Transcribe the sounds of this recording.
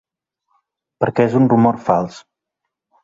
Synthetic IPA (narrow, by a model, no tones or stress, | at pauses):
pəɾkɛezunrumɔrfalˠs